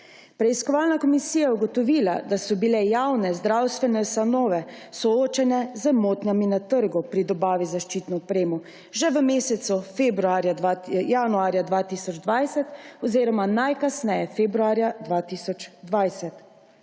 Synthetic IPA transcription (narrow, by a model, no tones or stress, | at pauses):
pɾɛiskɔʋaːlnakɔmisiːjajɛuɡɔt̪ɔʋiːla̰d̪asɔbilɛjawnɛzd̪ɾawst̪ʋɛnɛst̪anɔːʋɛsɔoːt͡ʃɛnɛzəmoːt̪nʲjaminat̪əɾɡupɾid̪ɔbaːʋizaʃt͡ʃiːt̪nɔɔpɾeːmɔ | ʒɛʋəmeːsɛt̪sufebɾuaːɾjajanuaːɾjad̪ʋaːt̪iːsɔd͡ʒd̪ʋajsɛt̪ɔziːɾɔmanajkasnɛjɛfebɾuaːɾjad̪ʋaːt̪iːsɔt͡ʃd̪ʋajsɛt̪